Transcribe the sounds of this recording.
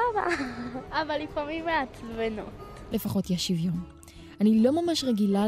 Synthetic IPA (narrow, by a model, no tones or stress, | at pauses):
aba̰abalːifamimeat͡svenot | le̞faχo̞tjaʃivjo̞m | anilo̞mamaʃʁeɡila